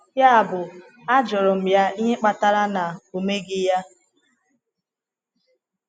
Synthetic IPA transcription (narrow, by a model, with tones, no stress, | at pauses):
ja˦a˨bʊ˨ | a˦d͡ʒɔ˨ɾɔ˨m̩˨ja˦i˦ɦe˦k͡pa˦ta˦ɾa˦na˨o˨me˦ɡɪ˦ja˦